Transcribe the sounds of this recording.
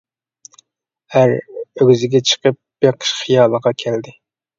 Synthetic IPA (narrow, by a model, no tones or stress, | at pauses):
hæɾøɡʲzɪɡʲɛt͡ʃʰə̥qəp̚beqʰə̥ʃχijɑːlˠəʁɑkʲʰɛld̪ɪ